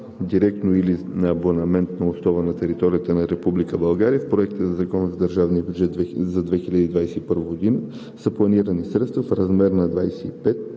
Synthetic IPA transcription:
d̪iɾɛk̚t̪noili | nɐːbonɐmɛnt̪nɐosnɔvənɐt̪ɛɾit̪ɔɾijət̪ənɐɾɛpublikəbɐlˠɡaɾijəfpɾoɛk̚t̪əzɐzɐkɔnəzɐd̪əɾʒavnijəbʲjud͡ʒɛt̪vzɐd̪vɛxiʎʲɐad̪əiːd̪vajsɛipəɾvɐɡod̪inə | səplˠɐniɾənisɾɛt̪st̪vəfɾɐzmɛɾnɐd̪vajsɛipɛt̪̚

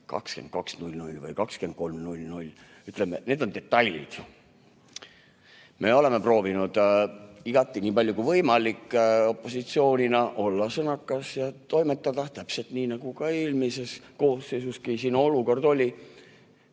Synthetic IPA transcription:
kɑ̰kskend̪̚kɑ̰ksnulʲnulʲvɤ̰jkɑkske̞n̥̚ko̞lmnulʲːnulʲː | yt̪ˑlemene̞ːd̪̥o̞nd̪e̞t̪ːˑɑlʲːḭd̪̥ | me̞o̞le̞me̞pro̞ːvinud̪̥iɡ̥ɑt̪ˑːiniːpɑlʲjukuvɤjmɑlikːo̞pːˑo̞sit̪sio̞ːnʲinɑʔo̞lːɑsɤnɑkːˑɑsjɑt̪o̞jme̞t̪ːˑɑd̪̥ɑt̪æpse̞lt̪niːnɑɡ̥ukɑeːlmise̞sko̞ːsːejsuskisinuo̞luko̞rd̪o̞lʲi

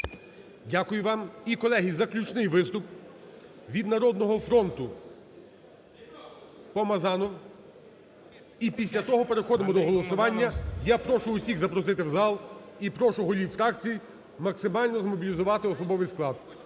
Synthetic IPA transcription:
dʲakʊjʊʋɑmikɔlˠɛɦizɐklʲut͡ʃnɪjʋɪst̪ʊp | ʋʲid̪nɐɾɔd̪nɔɦɔfɾɔnt̪ʊ | pɔmɐzɑnɔw | ipʲisʲlʲɐt̪ɔɦɔpeɾexɔd̪mɔd̪ɔɦɔlˠɔsʊʋɑnʲːɐjapɾɔʃʊːsʲiɣzɐpɾɔsɪt̪ɪwzɑlˠipɾɔʃʊɦɔlʲiwfɾɑk̚t͡sʲij | mɐksɪmɑlʲnɔzmɔbʲilʲizʊʋɑt̪ɪɔsɔbɔʋɪjsklˠɑd̪̚

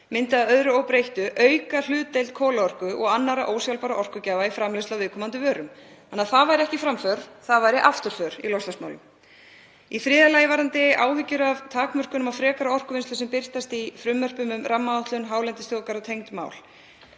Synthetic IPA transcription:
mɪnt̪aaœðɾʏoːwpɾejht̪ʏʔœɥkal̥ʏːt̪ejlt̪̚kʰɔːlaɔr̥kʏʔɔ̰ɣanːaɾaʔoːwsjawlpaɾaʔɔr̥kʏcaːvaifɾamlest̪lawvɪðkʰɔːmant̪ʏvœːɾʏm | anːaðθaðvajɾɪɛhcɪfɾamfœɾ̥θaðvajɾɪʔaft̪ʏɾ̥fœɾ̥ḭlɔjst̪asmaːwlʏm | ifɾɪːðalaːjɪvaɾant̪ɪa̰ːwhʏcːʏɾavt̪ʰaːkmœr̥kʏnʏmawfɾɛːkaɾaɔr̥kʏvɪnst̪ʏsɛmpɪr̥t̪ast̪ifɾʏmːœr̥pʏmʏmɾʔamːaawt̪lʏnɦaːwlɛnt̪ɪst̪ɔːkaɾɔt̪ʰejŋt̪ma̰ːwl

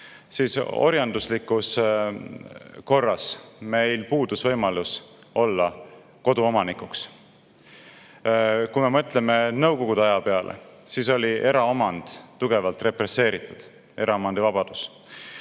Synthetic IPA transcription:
siso̞̰ɾjɑnd̪uslikːˑus | ko̞rːɑsme̞jlpuːd̪̥usvɤjmɑlus | o̞lːɑ | ko̞d̪uo̞mɑnikˑuks | kume̞mɤt̪ˑleme̞nɤwko̞ɡ̥ud̪eɑjɑpe̞ɑlʔḛsiso̞lʲiʔe̞ɾɑomɑnd̪̥t̪ːuɡ̥e̞vɑlt̪re̞pre̞sːe̞ːɾit̪ːˑud̪̥ | e̞ɾɑomɑnd̪ivɑb̥ɑd̪̥us

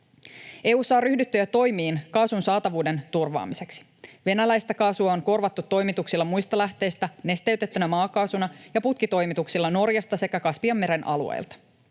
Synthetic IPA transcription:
ʔe̞ːuːsɑːryhdyt̪ːøjæt̪o̞jmiːnkɑːsunsɑːt̪ɑʋuːde̞nt̪urʋɑ̰ːmise̞ksi̥ | ʋe̞nælæjst̪ækɑːsuɑoŋko̞rʋɑt̪ːut̪ːo̞jmit̪uksilːɑmujst̪ɑlæht̪e̞jst̪æne̞st̪e̞ɥt̪e̞t̪ːynæmɑːkɑːsunɑjɑput̪kit̪o̞jmit̪uksilːɑno̞rjɑst̪ɑse̞kækɑsʋiɑmːe̞ɾe̞nʔɑ̰lṵḛjlt̪ɑ̥

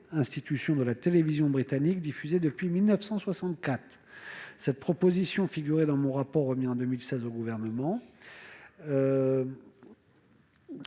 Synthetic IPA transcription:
ɛ̃st̪it̪ysjɔ̃d̪əlat̪elevizjɔ̃bʁit̪anik̚d̪ifyzed̪əpɥimilnəfsɑ̃swasɑ̃t̪̚kat̪χ | sɛt̪̚pχɔpozisjɔ̃fiɡʲyʁed̪ɑ̃mɔ̃ʁapɔʁːəmiɑ̃d̪ømilsɛzoɡuvɛʁnəmɑ̃

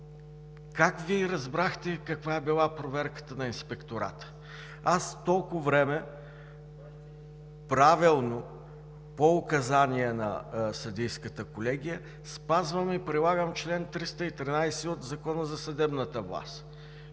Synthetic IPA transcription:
kakviɾɐzbɾaxt̪ɛkɐkvaɛbilˠapɾovɛɾkə̥t̪ənɐinspɛkt̪oɾa̰t̪ə̥ | ast̪ɔlˠkʊvɾɛmɛ | pɾavilˠno | poʊkɐzaniɛnɐ̰sɐd̪ijskət̪əkolɛɡ̟ʲijə | spazvəmipɾilˠaɡəmt͡ʃlɛnt̪ɾist̪əit̪ɾinajsɛod̪zɐkɔnəzɐsɐd̪ɛbnət̪əvlˠa̰st̪

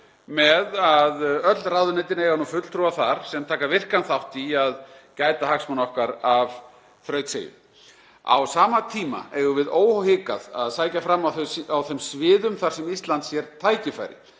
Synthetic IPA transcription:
mɛðaðœt̪lt̪rawðʏnejt̪ɪneːɣanufʏt̪l̥t̪ʰɾuaθaɾ̥sɛmt̪ʰaːkavɪr̥kanθawht̪iaðcaːjt̪ahaksmanɔhkaɾav | θɾœːɥt̪sḛːjʏ̰ | a̰wsaːmat̪ʰiːma̰ɛɣʏvɪðoːwhowhɪːka̰ða̰ðsaːjcafɾamːawθawθɛmsvɪːðʏmθaɾ̥sɛmist̪lant̪sjɛɾt̪ʰaːjcɪfa̰ːjɾɪ̰

